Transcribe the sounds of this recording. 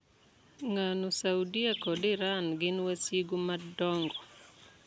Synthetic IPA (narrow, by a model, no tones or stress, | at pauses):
ŋanosaudiakɔdɪɾanɡɪnwasjiɡumadɔŋɡɔ